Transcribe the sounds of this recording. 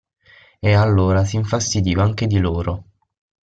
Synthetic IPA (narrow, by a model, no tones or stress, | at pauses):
ealːoːɾas̬iɱfast̪id̪iːvaaŋk̟ed̪iloːɾo